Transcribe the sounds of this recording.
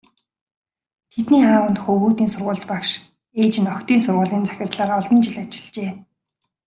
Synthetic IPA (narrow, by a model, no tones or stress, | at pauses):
t̪ʰet̪niːaːwə̆nt̪χɵɣuːt̪iːnsʊrʁʊːɮt̪pakʃ | eːt͡ɕɪ̆nɔkt̪iːnsʊrʁʊːɮiːnt͡sæ̥xʲɪ̆rt̪ɮaːɾɔɮɞ̆nt͡ɕɪ̆ɮat͡ɕɪ̥̆ɮt͡ɕeː